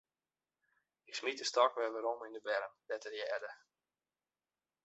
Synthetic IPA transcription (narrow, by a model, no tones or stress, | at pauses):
ɪksmit̚dəstɔkʋɛʋəɾomindəbɛɾənd̥ɛtərjɛːdə